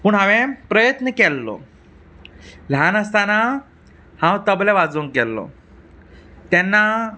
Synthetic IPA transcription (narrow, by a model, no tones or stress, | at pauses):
pəɳɦãʋɛ̃pɾəjət̪nəkɛlːɔ̰ | l̤janəst̪ana | hãwt̪əblɛʋad͡zuŋkɛlːɔ̰ | t̪jɛnːa